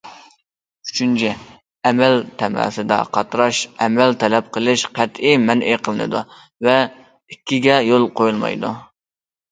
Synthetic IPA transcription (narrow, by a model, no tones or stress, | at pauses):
y̥t͡ʃʰynt͡ʃʰɛ | ɛmɛlt̪ʰɛmæ̰ːsɨd̪ɑ̰qʰɑt̪ɾɑʃɛmɛlt̪ʰɛlɛp̚qʰəlˠɨʃqʰæt̪imɛnʔeqʰəlˠɨnɨ̰d̪u | vɛ | ikʲːiɡʲɛjolˠqʰojulˠmɑ̰jd̪u